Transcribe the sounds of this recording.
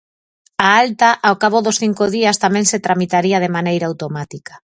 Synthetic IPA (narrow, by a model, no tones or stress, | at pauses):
aalt̪aʔawkaβ̞oðosθiŋkoðiast̪amɛ̃ŋset̪ɾamit̪aɾiað̞emanejɾawt̪omat̪ikḁ